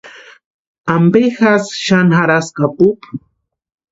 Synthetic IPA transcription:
ambexasʃanxaɾaskapuq

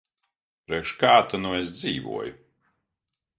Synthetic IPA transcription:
pɾɛkʃkaːt̪anuesd̪ziːvṵɔjʊ

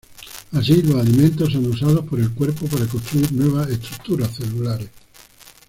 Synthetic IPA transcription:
as̬ilo̞salimẽnt̪osanusað̞opoɾe̞lkwe̞ɾpopaɾakost̪ɾuiɾnwe̞β̞aseht̪ɾuk̚t̪uɾasθelulaɾes

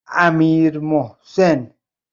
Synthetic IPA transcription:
amiɾmɔ | sɛn

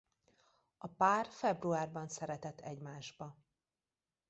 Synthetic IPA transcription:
ɒpaːrfɛbruaːrbɒnsɛɾɛt̪ɛt̪ʰːɛɟmaːʒbɒ

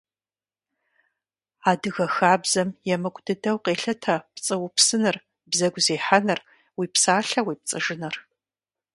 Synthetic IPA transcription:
aːdɨɣɐxaːbzɐmjɛmɨkʷʼdɨdɐwqeːɬɐtʰɐpt͡sʼɨwʊpsɨnɨr | bzɐɡʷzeːħanɨr | wiːpsaːɬɐwiːp̚t͡sʼɨʒɪnɐr

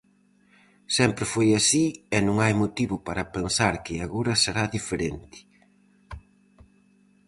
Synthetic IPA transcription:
sɛmpɾɪfojasiɛnũŋajmot̪iβʊpaɾɐpensaɾkɪaɣoɾɐseɾaðifeɾent̪ɪ̥

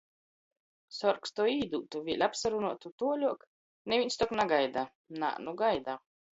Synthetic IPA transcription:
sɔɾkst̪uɔiːd̪uːt̪uvʲiɛlʲapsaɾunuɔt̪ut̪uɔlʲuɔk | nevʲinʲst̪ɔknaɡajd̪a | na̰ːnuɡajd̪aː

